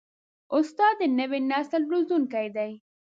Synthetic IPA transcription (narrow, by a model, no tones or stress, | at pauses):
ʊst̪ɑd̪ənəwenasəlɾuzuŋkajd̪aj